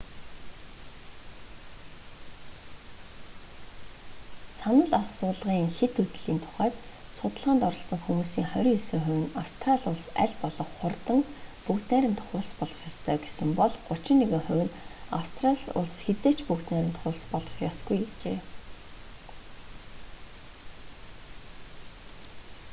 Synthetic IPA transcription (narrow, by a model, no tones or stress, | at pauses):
sanə̆ɮasʊːɮʁiːŋxet̪ut͡sɮiːnt̪ʰʊ̥χæːt̪sʊt̪ə̆ɮʁaːnt̪ɔɾɞ̆ɬt͡sɞ̆ŋxumuːsiːŋχœɾʲiːsɘ̆ŋχɵ̟wʲɘ̆nawst̪ʰraɮʊɮsæ̰ɮpɔɮɞ̆χχʊrt̪ə̆ŋpukt̪næːɾʲɪ̆mt̪ʰχʊːɮspɔɮʁɞ̆χjɔst̪ʰœːɡesɘ̆mpɔɮɢʊt͡ɕɪ̆nːeɣɘ̆ŋχʊwʲɘ̆nawst̪ʰraɮsʊ̰ɮsxet͡seːt͡ɕpukt̪næːɾʲɪ̆m̥t̪χʊːɮspɔɮʁɞ̥̆χjɔsɡujekt͡ɕeː